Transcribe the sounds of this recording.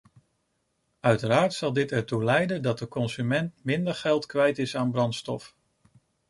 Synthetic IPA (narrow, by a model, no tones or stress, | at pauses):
œɥtəraːɹtsɑlˠdɪtɛɹtulɛjdəndɑt̚dəkɔnsymɛntmɪndəɹχɛlˠtkʋɛjtɪsaːnbrɑntstɔ̰f